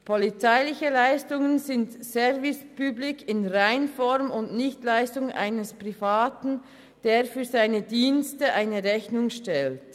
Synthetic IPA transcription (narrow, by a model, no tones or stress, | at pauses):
pʰɔlit͡saɪlɪçəlaɪstʊŋənzɪntsɛʁvɪspyblɪkʰɪnʁaɪnfɔɾmʊndnɪçtlaɪstʊŋa̰ɪnəspʁ̥ifaːtn̩ | d̥eːʁfyːɐzaɪnədiːnstəʔaɪnəʁɛçnʊŋʃtɛlt